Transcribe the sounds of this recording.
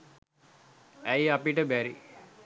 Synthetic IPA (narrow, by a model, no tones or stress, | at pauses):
æjapiʈəbæɾi